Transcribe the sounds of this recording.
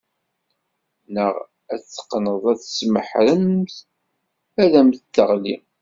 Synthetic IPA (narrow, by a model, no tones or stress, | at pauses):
nəʁ | æθθə̥qːnəðˤæθə̥sməħɾəmθ | ælæmθt̪ːəʁli